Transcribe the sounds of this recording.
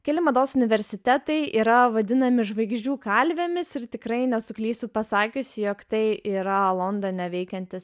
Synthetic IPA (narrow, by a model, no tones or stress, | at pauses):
kʲɛlʲɪmɐd̪oːsʊnʲɪʋʲɛɾʲsʲɪt̪ʲɛt̪ɐɪiːɾɐʋɐd̪ʲɪnɐmʲɪʒʋɐɪɡʒʲd͡ʒʲuːkɐlʲʋʲemʲɪsɪɾt̪ʲɪkɾɐɪnʲɛsʊklʲiːst̪upɐsɑːkʲʊsʲjoːkt̪ɐɪʔiːɾɐlˠond̪onʲɛʋʲɛɪkʲɛnʲt̪ʲɪs